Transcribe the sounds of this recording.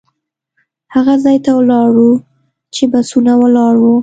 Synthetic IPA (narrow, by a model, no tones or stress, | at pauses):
haɣazɑjt̪awlɑɽu | t͡ʃebasunawəlɑɽwu